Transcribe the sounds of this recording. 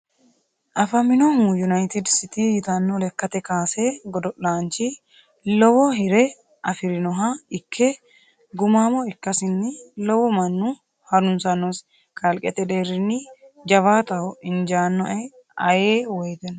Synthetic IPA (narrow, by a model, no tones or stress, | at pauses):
ʔɐfɐmɪnɔmujʊnɐjt̪ɪd̪sɪt̪ijɪt̪ɐnːɔlɛkːɐt̪ɛkaːseɡɔd̪ɔʔlaːnt͡ʃɪ | lɔwɔɦɪɾɛ | ʔɐfɪɾɪnɔɦɐɪkʰːɛ | ɡʊmaːmɔɪkːɐsɪnːɪlɔwɔmɐnːʊ | hɐɾʊnsɐnɔs | kɐlkʼɛt̪ɛd̪eːɾɪnːɪd͡ʒɐβaːt̪ɐwɔɪnd͡ʒaːnːɔʔɛ | ɐ̰jeːwɔjt̪ɛn